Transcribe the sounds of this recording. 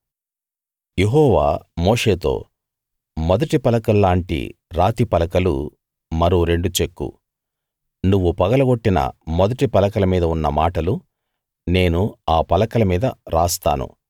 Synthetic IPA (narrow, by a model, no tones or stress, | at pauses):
jeɦɔːʋa̰ːmoːʂe̞ːt̪o̞̰ː | mɔd̪ɐʈipɐlɐkɐlːaːɳʈḭɾaːt̪ipɐlɐkɐlṵ | mɐɾoɾe̞ɳɖut͡ʃe̞kːṵ | nuʋːupɐɡɐlɐɡo̞ʈːinɐ̰mɔd̪ɐʈipɐlɐkɐlɐmiːd̪ɐunːɐmaːʈɐlu | ne̞ːnuaːpɐlɐkɐlɐmiːd̪ɐɾaːst̪a̰ːnṵ